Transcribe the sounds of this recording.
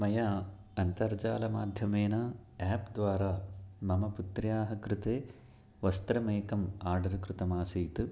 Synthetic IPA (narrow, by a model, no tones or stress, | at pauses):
mɐjaː | ɐnt̪ɐɾd͡ʒaːlɐmaːd̪ʱjɐmeːnaːaːpd̪ʋaːɾaːmɐmɐput̪ɾjaːɦɐkɾɪt̪eː | ʋɐst̪ɾɐmeːkɐmaːɾɖɐɾkɾut̪ɐmaːsijt̪ɨ